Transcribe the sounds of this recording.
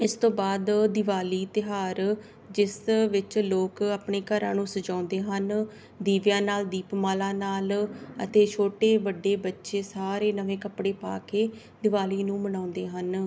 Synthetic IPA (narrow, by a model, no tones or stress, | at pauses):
ɪst̪õːbaːd̪d̪ɪʋaːliːt̪ɪɦaːɾ | d͡ʒɪsʋɪt͡ʃloːkaːpɳeːkəɾã̰ːnũːsəd͡ʒãːnd̪eːɦən | d̪iːʋjãːnaːld̪iːpmaːlaːnaːlət̪eːt͡ʃʰoːʈeːʋəɖːeːbətːʃeːsaːɾeːnəʋẽːkəpɽeːpa̰ːkeː | d̪ɪʋaːliːnũːmənãːnd̪eːɦən